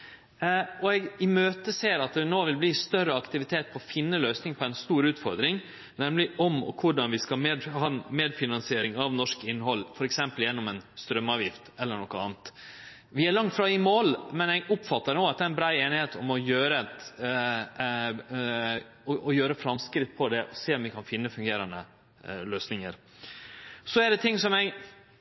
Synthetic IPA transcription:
ɔɛɡɪmøːt̪əseːɾɑt̪̚d̪ɛnoːʋɪlbliːst̪œɾəɑkt̪ɪʋɪt̪ʰeːt̪̚pʰɔɔfɪnːəløːsnɪŋpʰɔɛnst̪uːɾʉːt̪fɔɾd̪ɾɪŋ | nɛmlɪʔɔmɔ̰kʰʊɖɑnʋɪskɑlmeːd̪hɑnmeːd̪fɪnɑnsɪeːɾɪŋɑʋnɔʂkɪnːɦɔlːfɔɾɛksɛmpəljɛnːɔmɛnst̪ɾœmːɑːʋjɪft̪ɛlːəɳɔkːəɑ̰ːnət̪ | ʋɪæɭɑŋt̪fɾɑɪmoːlmɛnɛɡʊpfɑt̪ːəɳoːɑt̪̚d̪ɛæɪnbɾɑːeːnɪheːt̪ɔmɔjøːɾət̪ | ɔɔjøːɾəfɾɑmskɾɪt̪ːpʰɔd̪ɛʔɔseːɔmʋɪkʰɑnfɪnːəfʉŋɡeːɾɑnd̪ə | løːsnɪŋəɾ | sɔæɖɛt̪ʰɪŋːsɔmɛɡ

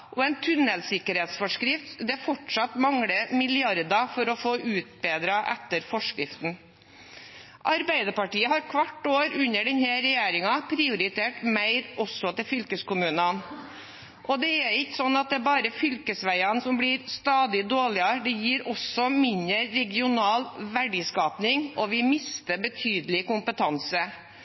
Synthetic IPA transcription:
ʔɔɛɪnt̪ʰʉnəlsɪkːəɾheːt̪sfɔʂkɾɪft̪d̪ɛfɔʈʂɑt̪mɑŋɽəmɪlɪɑɾd̪ɑfɔɾɔfoːʔʉːt̪̚beːd̪ɾɑʔɛ̰t̪ːəɾfɔʂkɾɪft̪n̩ | ʔɑɾbæɪd̪əpɑʈiːəhɑɾkʰʋɑʈːoːɾʉnəɖɛnhɛɾɛjeːɾɪŋɑpʰɾɪʊɾɪt̪ʰeːʈmæɪɾʔɔsɔt̪ɪlfʏlkəskʊmʉːnɑn | ʔɔd̪ɛæɾɪkːə̥sɔnːɑt̪̚d̪ɛæbɑːɾəfʏlkəsʋæɪɑnsɔmbliɾst̪ɑːd̪ɪd̪oːɭɪɑɖ̪ɛjiːɾɔsɔmɪɲəɾːɛɡɪʊnɑːlʋæɖiːskɑːpnɪŋʔɔʋɪmɪst̪əbət̪ʰyːd̪əlɪkʊmpət̪ʰɑnsə

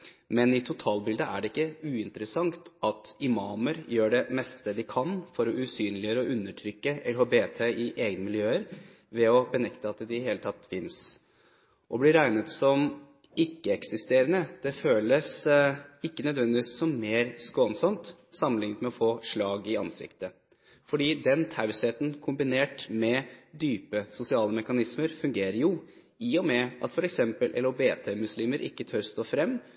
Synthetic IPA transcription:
mɛnɪt̪ʰʊt̪ʰɑːlbɪld̪əʔæ̰ɖɛɪkːəʉːɪnt̪əɾəsɑŋt̪ɑt̪ɪmɑːməɾjøːɖɛmɛst̪əd̪ɪkʰɑnfɔɾɔʉsyːnlɪjøːɾəɔʔʉnːəʈʰɾʏkːəɛlhobeːt̪ʰeʔɪʔeːɡnəmɪljøːəɾ | ʋɛɔbənɛkt̪əɑt̪d̪ɪheːlət̪ʰɑt̪ːfɪns | ʔɔblɪɾæɪnət̪sɔm | ɪkːəɛksɪst̪eːɾənəd̪̥ɛføːləs | ɪkːənœd̪ʋɛnd̪ɪʋiːssɔmːeːɾskoːənsɔmt̪sɑmːənlɪŋnət̪mɛɔfoːʂɭɑːɡɪɑ̰nsɪ̰kt̪ə | fɔɖiːd̪ɛnt̪ʰɑʉsheːt̪ənkʰʊmbɪneːʈmɛd̪yːpəsʊsɪɑːləmɛkɑnɪsməɾfʉŋɡeːɾəɾjʊ | ɪɔmɛʔɑ̰t̪fɔɾɛksɛmpəlʔɛ̰lobeːt̪ʰeːmʉsliːməɾʔɪ̰kːət̪ʰœɾst̪oːfɾɛmː

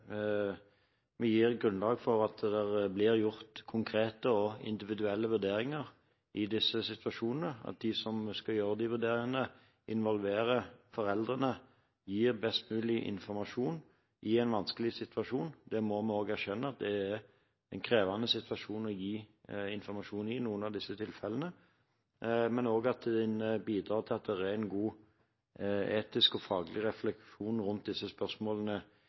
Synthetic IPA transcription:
mɛjiːʁɡʁʉnlɑːɡfɔʁɑt̪d̪ɛʁblɪʁjʊʁt̪kʰʊŋkʰɾeːt̪əɔɪ̰nd̪ɪʋɪd̪ʉɛlːəʋʉɾd̪eːɾɪŋəʁ | ʔɪd̪ɪsəsɪt̪ʋɑʃuːnənəɑ̰t̪̚d̪ɪsɔmskɑjøːɾəd̪ɪʋʉɾd̪eːɾɪŋənə | ɪnʋɔlʋeːɾəfɔʁɛld̪ʁənə | jiːʁbɛst̪mʉːlɪʔɪ̰nfɔɾmɑʃuːn | ʔɪɛnʋɑnskəlɪsɪt̪ʰʋɑʂuːnd̪ɛmɔmɛoːɡæɾʃɛnːəɑt̪̚d̪ɛæɾ | ɛnkʰʁeːʋɑnəsɪt̪ʋɑʂuːnɔjiːɪnfɔɾmɑʂuːnɪnuːənɑʋd̪ɪsːət̪ʰɪlfɛlənə | mɛnoːɡɑt̪̚d̪ɛnəbiːd̪ɾɑːt̪ʰɪlɑt̪̚d̪ɛʁæɾɛnɡuː | eːt̪ɪskɔfɑːɡəlɪʁɛflɛkʃuːnʁʊnt̪̚d̪ɪsːəspœʁsmoːlənə

